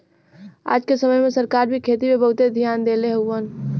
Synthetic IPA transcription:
a̰ːd͡ʒkesəməjmesəɾkaɾbʱikʰet̪imebəɦut̪ed̪ʱjand̪eleɦəwən

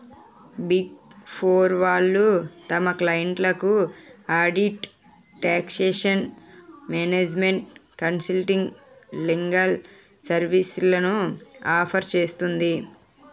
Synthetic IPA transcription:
biɡpʰoːɾʋaːlːut̪ɐmɐklɐjɐɳʈlɐkuaːɖiʈ | ʈːaːkseːʂɐnmeːneːd͡ʒme̞ɳʈkɐnsilʈiŋɡ | liŋɡɐl | sɐɾʋislɐnuaːpʰɐɾt͡ʃe̞ːst̪und̪i

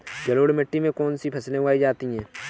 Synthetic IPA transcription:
d͡ʒɐloːɽmɪʈːimẽkɔːnsipʰɐslẽaːid͡ʒaːt̪iɦɛ̃ː

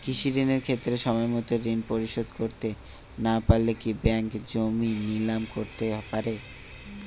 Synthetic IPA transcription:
kiʃiɾineɾkʰet̪ːɾeʃɔmɔemɔt̪oɾinpoɾiʃod̪koɾt̪e | napalːekibɛŋkd͡ʑominilamkoɾt̪epaɾe

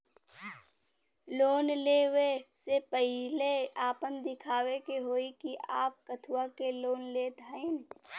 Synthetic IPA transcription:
loːnleːwesepɛɦleaːpənd̪ɪkʰaːwekeɦoːikiʔaːp̚kət̪ʰwakeloːnleːt̪aẽːn

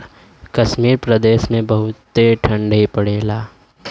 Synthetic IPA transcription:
kɐʃmiːɾpɾəd̪eːʃmẽbɐɦʊt̪ːeʈʰɐ̃ɳɖʱipɐɽeːlaː

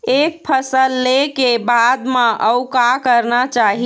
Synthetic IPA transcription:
ek̚pʰəsəlːekebad̪mẽʔəwkakəɾnat͡ʃaɦi

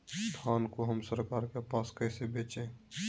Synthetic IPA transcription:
st̪ʰaːnkoɦəmsəɾkaːɾkepaːskəɪsebeːt͡ʃẽ

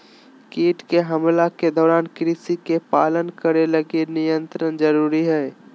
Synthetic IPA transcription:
kiːʈkeɦəmlaked̪ɔːɾaːnkɾisikepaːlənkəɾeləɡenɪjə̃nt̪ɾənd͡ʒəɾuːɾiɦɛː

